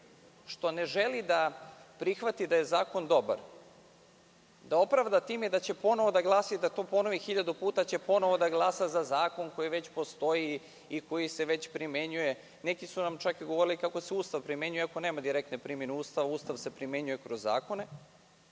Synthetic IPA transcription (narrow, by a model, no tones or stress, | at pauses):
ʃt̪o̞ne̞ʒe̞lid̪apɾixʋat̪id̪aje̞zaːko̞nd̪o̞ba̰ɾ | d̪ao̞pɾaʋd̪at̪iːmed̪at͡ɕe̞po̞no̞ʋo̞d̪aɡlˠaːsid̪at̪o̞ːpo̞no̞ʋixiʎad̪upuːt̪at͡ɕe̞po̞no̞ʋo̞d̪aɡlˠaːsazazaːko̞nko̞jiʋe̞t͡ɕpo̞st̪o̞ji | iko̞jise̞ʋe̞t͡ɕpɾimʲje̞ɲuje̞ | nekisunamt͡ʃakiɡoʋo̞ɾilikako̞seuːst̪aʋpɾimʲje̞ɲujeakone̞ːmad̪iɾek̚t̪nepɾimje̞neuːst̪aʋauːst̪aʋse̞pɾimʲje̞ɲuje̞kɾozːa̰ːko̞ne